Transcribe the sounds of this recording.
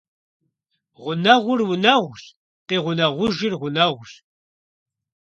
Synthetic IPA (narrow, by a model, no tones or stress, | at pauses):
ʁʷʊnɐʁʷʊrwʊnɐʁʷʊɬ | tʼeːʁʷʊnɐʁʷʊʒɪrʁʷʊnɐʁʷʊɬ